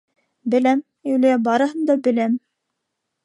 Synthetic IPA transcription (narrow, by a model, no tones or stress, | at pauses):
bɘ̆læm | ɵlɘjæbɑɾɤ̆ɦɤ̆nd̪ɑbɘ̆læm